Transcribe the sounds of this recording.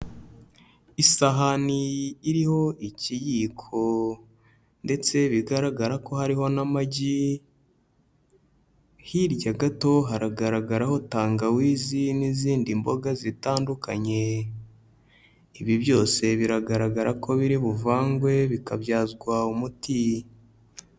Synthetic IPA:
isaɦaniːɾiho̞ʔicijikʰo̞ | nde̞t͡se̞βiɡaɾaɡaɾako̞haɾiho̞namaɟi | hiɾɟaɡato̞ɦaɾaɡaɾaɡaɾaho̞taːŋɡawiːziniziːndimbo̞ɡazitaːndukʰaɲe̞ | iβiβjo̞ːse̞βiɾaɡaɾaɡaɾakʰo̞βiɾiβuvaːŋɡwe̞βikaβjaːzɡwaumuti

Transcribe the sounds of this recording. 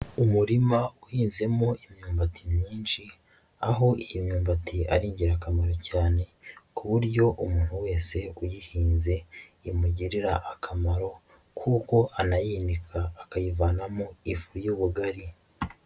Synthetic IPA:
umuɾimauhiːnze̞moimɲuːmbatʰimɲiːnʃi | aɦo̞ihimɲuːmbatʰia̰ɾiːɲɟiɾakamaɾo̞caːne̞kuβuɾɟo̞ʔumuːn̥huwe̞ːse̞ujihiːnze̞imuɟiɾiɾaʔakʰamaɾo̞ | kʰuːko̞ʔanajiːnikʰaːkajivaːnamoifujuːβuɡaɾi

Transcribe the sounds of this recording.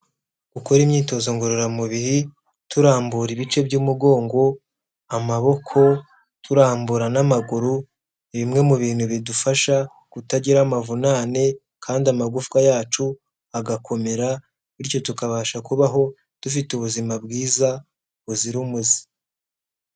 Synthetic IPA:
ukoɾimɲiːto̞zo̞ŋɡoɾoɾamuβihi | tuɾaːmbuɾiβit͡ʃe̞bɟuːmuɡo̞ːŋɡo̞ | amaβo̞kʰo̞ | tʰuɾaːmbuɾanamaɡuɾu | iβimŋe̞muβiːnhuβidufaʃa | kutaɟiɾamavunaːne̞ | kʰaːndiamaɡufkajaːt͡ʃu | aɡakʰo̞me̞ɾa | iɾco̞tukaβaːʃakuβaɦo̞ | d̥ufituβuzimabɡiːza | uziɾumuzi̥

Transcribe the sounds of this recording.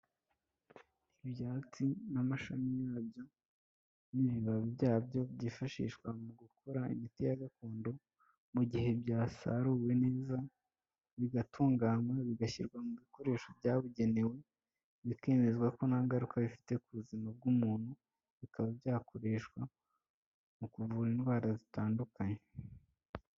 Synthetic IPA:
ibjaːt͡sinamaʃamijaːbjo̞ | niβiβaβibjaːbjo̞bɟiːfaʃḭːʃkwamuɡukʰoɾaḭmitijaɡakoːndo̞ | muɟihe̞bɟaːsa̰ɾuwe̞ne̞ːza | βiɡatʰuːŋɡaːmwaβiɡaçiɾɡwamuβiko̞ɾe̞ːʃobɟaːβuɟe̞ne̞we̞ | βike̞ːme̞zɡwako̞nhaːŋɡaɾukaβifi̥te̞kuβuzimab̚ɡumuːn̥hu | βikʰaβabjaːko̞ɾe̞ʃkwa | mukuvuːɾinɡwaːɾazitaːndukaɲe

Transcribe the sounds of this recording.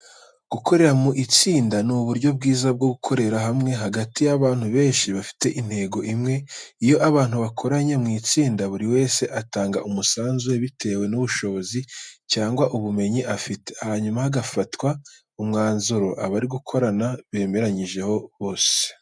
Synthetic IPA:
ɡ̥ukʰo̞ɾe̞ɾamuʔit͡siːndanuβuɾɟo̞bɡiːzab̚ɡo̞ɡukʰo̞ɾe̞ɾaɦamŋe̞ɦaɡatijaβaːn̥huβe̞ːɲʃiβafi̥te̞ʔin̥he̞ɡo̞ʔimŋe̞ | ijo̞ʔaβaːn̥huβakʰo̞ɾaɲemŋiːt͡siːndaβuɾiwe̞ːse̞ʔataːŋɡaʔumusaːnzuje̞βitʰe̞ːwe̞nuβuʃo̞βo̞zicaːŋɡwaʔuβume̞ɲiʔafiteahaɲumahaɡafatwa | umŋaːnzoɾo̞ʔa̰βaɾiɡukʰo̞ɾanaβe̞ːme̞ɾaɲiʒe̞ho̞βo̞ːse̥

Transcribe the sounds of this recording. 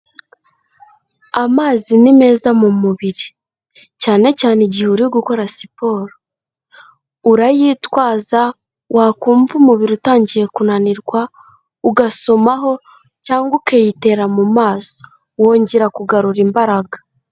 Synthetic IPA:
amaːzinime̞ːzamumuβiɾi | caːne̞caːneɟihuɾiɡuko̞ɾasipo̞ːɾo | uɾajiːtwaːza | wʔakuːɱvumuβiɾutaːɲɟije̞kunaniɾɡwa | uɡaso̞maɦo̞ | caːŋɡukejite̞ɾamumaːso̥ | wo̞ːɲɟeɾakuɡaɾuɾimbaɾaɡa

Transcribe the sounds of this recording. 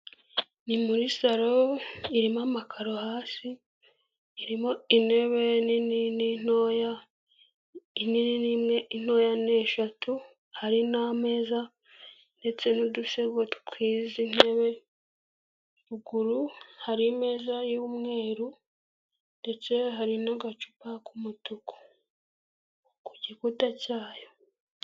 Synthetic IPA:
nimuɾisaɾoiɾimamakʰaɾohaːsiː | ɾimo̞ine̞βe̞nininin̥oja | inininimŋein̥o̞jane̞ːʃatu | haɾiname̞ːza | nde̞t͡se̞nuduse̞ɡwatu̥kwiːzine̞βe̞ | ɾuɡuɾuhaɾime̞ːzajuːmŋe̞ːɾu | nde̞t͡se̞ɦaɾinaɡat͡ʃu̥pakumutuko̥ | kuɟikutacaːjo̞

